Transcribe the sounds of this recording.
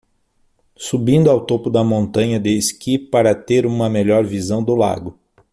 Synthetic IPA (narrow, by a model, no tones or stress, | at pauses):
subĩnd̪ʊawt̪opʊd̪ɐmõnt̪ɐ̃ɲɐd̪eskipaɾɐt̪eɾũmɐmeʎɔɾvizɐ̃w̃d̪ʊla̰ɡʊ